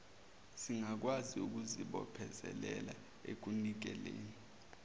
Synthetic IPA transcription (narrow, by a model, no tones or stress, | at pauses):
siŋak̬waziuk̬uziɓɔ̰pʰɛzɛ̰lɛla | ek̬unik̬ɛleːni